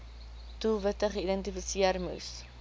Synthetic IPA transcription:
tulˠvətəχəidɛntifisiərmṵs

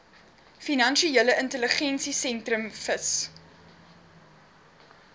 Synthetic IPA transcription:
finɐnʃieləʔəntələχɛnsisɛntrəmfəs

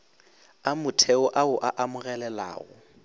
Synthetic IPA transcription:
amʊtʰɛʊʔaʊʔaʔamʊɣɛlɛla̰ːɣʊ

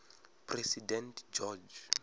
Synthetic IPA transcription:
pʰrɛsidɛ̃ntʰd͡ʒɔd͡ʒ

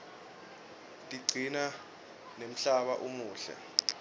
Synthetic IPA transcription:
tʼiɡ͡ǀʱina | nem̩ɬaɓaʔumuːɬɛ̰

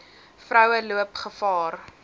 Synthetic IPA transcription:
frœwəluəpχəfɑːr

